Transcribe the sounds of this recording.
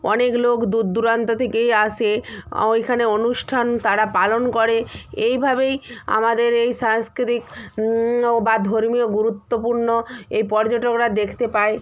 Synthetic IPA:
ɔneklokd̪ud̪ːuɾant̪ot̪ʰekejaʃʰeejkʰaneonuʃʈʰant̪aɾapalonkoɾeejbʱabeja̰mad̪eɾejʃaŋskɾit̪ik | bad̪ʱoɾmijoɡuɾut̪ːopuɾnoejpɔɾd͡ʑoʈokɾad̪ekʰt̪epae

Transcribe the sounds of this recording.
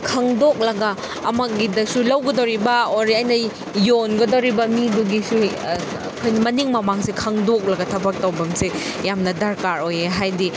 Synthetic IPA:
kʰɐŋdok̚lɐɡɐː | mɐɡidɐsulɐwɡɐdɐwɾibɐoɾiɐjnɐ | jonɡɐdɐwɾibɐmiduɡisu | ɐkʰojnimɐniŋmɐmaŋsekʰɐŋdok̚lɐɡɐtʰɐbɐk̚tɐwbɐmse | jamnɐdɐɾkaɾojeɦajdi

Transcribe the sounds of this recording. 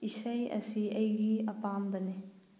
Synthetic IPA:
isɐjɐ̰siʔɐjɡiɐpambɐni

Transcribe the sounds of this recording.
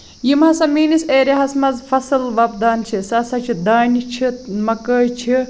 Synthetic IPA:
jimɐsɐmiːniseːɾʲeɦɐsmɐzfɐsɨlʋɐb̚d̪aːnt͡ʃʰisɐsɐt͡ʃʰid̪aːnit͡ʃʰimɐkəːjt͡ʃʰi

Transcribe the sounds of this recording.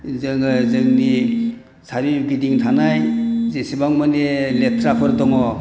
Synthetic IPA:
zɯŋzɯŋni | sʰaɾiɡidiŋtʰanajzesibaŋmaneletʰɾapʰɯɾdɔŋɔ

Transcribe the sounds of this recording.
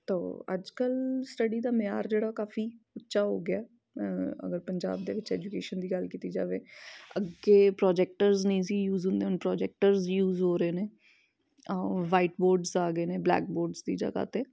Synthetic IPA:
t̪o̰ːə̰d͡ʒkəlsʈəɖiːd̪aːmjaːɾd͡ʒeːɽaːkaːfiːʊtːʃaːɦo̰ːɡɪaː | ə̰ɡəɾpəɲd͡ʒa̰ːbd̪ḛːʋɪt͡ʃɛːd͡ʒukeːʃənd̪iːɡəlkiːt̪iːd͡ʒa̰ːʋeːəɡeːpɾɔːd͡ʒɛːk̚ʈəɾznĩːziːjuːzɦʊ̃nd̪eːʊnpɾɔːd͡ʒɛːk̚ʈəɾzjuːzɦoːɾeːneː | ʋaːiʈboːɾɖzaːɡəeːneːblɛ̰ːk̚boːɾɖzd̪ḭːd͡ʒa̰ːɡa̰ːt̪eː

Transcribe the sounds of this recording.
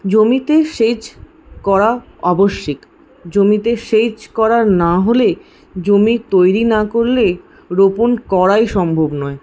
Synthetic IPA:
d͡ʑomit̪eʃed͡ʑ | kɔɾa | ɔboʃːik | d͡ʑomit̪eʃed͡ʑkɔɾaɾnaɦole | d͡ʑomiɾt̪ojɾinakoɾle | ɾoponkɔɾajʃɔmbʱobnɔe

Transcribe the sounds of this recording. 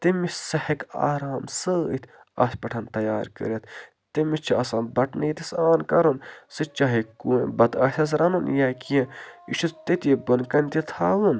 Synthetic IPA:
t̪imisɐhɐka̰ːɾaːmsɨit̪ʰʲ | ɐ̰spɐʈʰɐnt̪ɐjaːɾkə̰ɾɐt̪ʰ | t̪imit͡ʃʰiɐsãːnbɐʈnɨjit̪isaːnkɐɾunsɨt͡ʃaːɦikuːbɐd̪ɐːsʲʰɐs̬ɾɐnɐnjaːkiẽiʃʰut̪t̪et̪ʲibɐnkɐnt̪it̪ʰaːʋun

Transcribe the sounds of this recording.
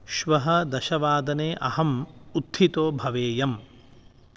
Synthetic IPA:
ʃʋɐɦɐd̪ɐʃɐʋaːd̪ɐneːʔɐhɐmut̪ʰːit̪oːbʱɐʋeːjɐm

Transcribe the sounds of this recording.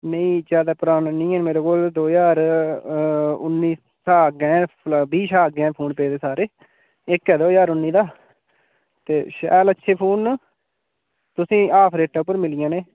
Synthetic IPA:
neĩːd͡ʒjaːd̪aːpʊɾaːnːnĩːɛːnmeːɾeːkoːld̪oːjaːɾ | ʊ̰nːiː | saːɡɛ̃ːbiːʃaːɡɛ̃ːpʰuːnpeːd̪eːsaːɾeː | ɪkːɛːd̪oːjaːɾʊnːiːd̪aː | t̪eːʃɛ̰ːlətːʃʰeːpʰuːn | t̪ʊsĩːaːpʰɾeːʈaːʊpːəɾmɪlɪjãːneː

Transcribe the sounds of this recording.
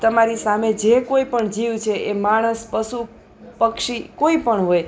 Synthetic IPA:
t̪əmaɾisamed͡ʒekoipəɳd͡ʒiʋt͡ʃʰeʔemaɽ̃əspəsu | pəkʃikoipəɳɦoj

